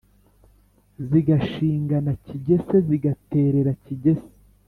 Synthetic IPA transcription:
ziɡaʃiːŋɡanaciɟe̞se̞ziɡate̞ːɾe̞ɾaciɟe̞se̥

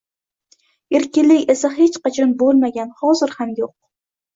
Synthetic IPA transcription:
eɾkʲɪnlɪkʲesaɦe̞t͡ʃqɑt͡ʃʰɒnbolˠmaɡʲanhɒzɪɾhamjoq̚

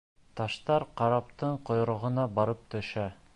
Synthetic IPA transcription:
t̪ɑʃt̪ɑɾqɑɾɑpt̪ɤɴqŏjɾŏʁɤ̆nɑbɑɾɤp̚t̪ɵ̆ʃæ

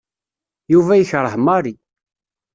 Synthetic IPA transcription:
juvæjəçɾˤəħmɑɾi

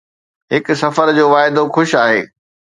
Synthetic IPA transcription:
ɦɪksɐfəɾd͡ʑoːʋaːɪd̪oxʊʃaːɦeː

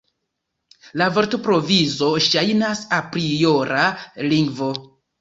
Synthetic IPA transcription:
lavoɾtopɾo̞vizo̞ʃajnasapɾijo̞ɾʔaliŋɡvo̞

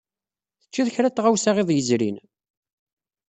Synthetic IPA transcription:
θə̥t͡ʃːiðçɾæt̪ːʁawsaʁeðˤjəzɾḭn

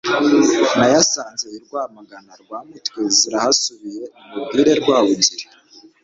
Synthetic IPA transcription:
najasaːnzeiɾɡwaːmaɡanaɾɡwaːmutwiziɾahasuβije̞umubɡiːɾe̞ɾɡwaːβuziɾi

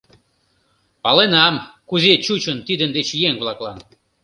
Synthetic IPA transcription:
pɑlenɑmkuzet͡ɕut͡ɕənt̪id̪ənd̪et͡ɕjeŋβlɑklɑn

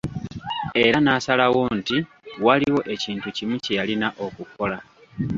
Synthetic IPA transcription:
e̞ɾanaːsalawo̞ːnti | waliwo̞ʔe̞ciːntucimucejalinaʔo̞kukʰo̞la

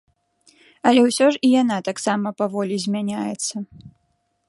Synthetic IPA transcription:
ɐlʲɛwsʲɔʐijan̪at̪aksamɐpavɔlʲizʲmʲanʲajɛt̪sːɐ

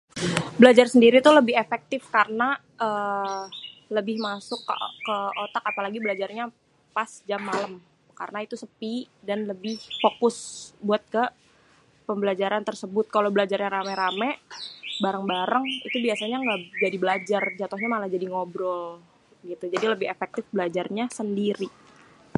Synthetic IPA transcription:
bəlad͡ʒarsəndiɾit̪uləbɪɦefɛk̚t̪ɪfkarəna | ʔə | ləbɪhmasʊkːəot̪akapalaɡibəlad͡ʒarɲa | pasd͡ʒamːaləm | ka̰rənait̪usəpidanləbɪhfokʊsbuat̪̚kə | pəmbəlad͡ʒaɾant̪ərsəbʊt̪̚kalawbəlad͡ʒarɲaɾamɛɾamɛbaɾaŋbaɾaŋḭt̪ubiasaɲaŋɡad͡ʒadibəlad͡ʒard͡ʒat̪ʊhɲamalahd͡ʒadiŋobɾɔl | ɡit̪ud͡ʒadiləbɪhefɛk̚t̪ɪfbəlad͡ʒarɲasəndiɾi

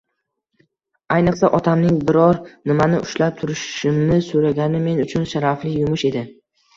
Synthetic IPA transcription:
ajnɨqsaʔɒt̪ʰamnɪŋbɪɾɒɾnɪmanɪʔʊʃlap̚t̪ʰʊɾɪʃʃɪmnɪsoɾaɡʲanɪme̞nʊt͡ʃʰʊnʃaɾaflɪjʊmʊʃe̞d̪ɪ

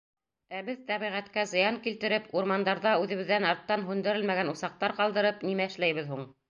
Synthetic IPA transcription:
æbɘðt̪æβiʁæt̪kæzɤ̆jɑŋkilt̪ɘ̆ɾɘpuɾmɑnd̪ɑɾðɑʉðɘ̆βɘ̆ðːænɑɾt̪ːɑnɦʉnd̪ɘ̆ɾɘlmæɣænusɑq̚t̪ɑɾqɑlˠd̪ɤ̆ɾɤpnimæɘ̆ʃlæjβɘ̆ðhuɴ

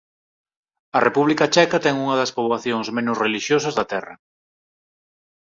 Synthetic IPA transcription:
ɐrʔepuβlikɐt͡ʃɛkɐt̪ɛŋuŋɐðɐspoβlaθjoŋzmẽnʊsreliʃjosɐzðɐt̪ɛrɐ̰

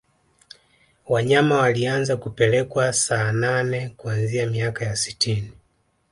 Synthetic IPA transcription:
waɲamawalianzakupɛlɛkwasaːnanɛkuanziamiakajasi̥tʰini

